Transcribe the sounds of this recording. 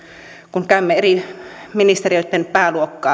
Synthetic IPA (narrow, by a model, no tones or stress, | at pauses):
kuŋkæymːeeriminist̪eriøˑit̪ːenpæːluokːɑː